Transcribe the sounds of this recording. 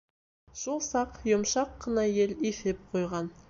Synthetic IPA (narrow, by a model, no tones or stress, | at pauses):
ʒ̥olˠsɑqjʊmʃɑqːɑnɑje̞lifep̚qʰojʁɑn